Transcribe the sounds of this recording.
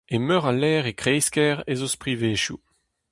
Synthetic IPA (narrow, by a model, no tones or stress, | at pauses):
emœʁalɛːʁekʁejskɛʁezospʁiveːʃjṵ